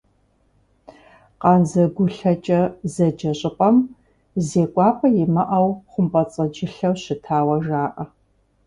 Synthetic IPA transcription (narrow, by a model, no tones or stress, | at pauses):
qɑnzɐɡʷʊɬɐt͡ʃʼɐzɐd͡ʒɐɕʼɪpʼɐm | zeːkʷʼɑːpʰʼɐjɪmɐʔɐwχʷʊmpʼɐt͡sʼɐd͡ʒɪɬɐwɕɪtʰaːwɐʒaːʔɐ